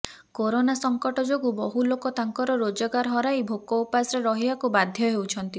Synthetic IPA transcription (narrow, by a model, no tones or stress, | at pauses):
koɾonasɔŋkɔʈɔd͡ʒoɡubɔɦulokɔt̪aŋkɔɾɔɾod͡ʒɔɡaɾɦɔɾajbʱokɔupasɾeɾɔɦiakubad̪ʱjɔɦewt͡ʃʰɔnt̪i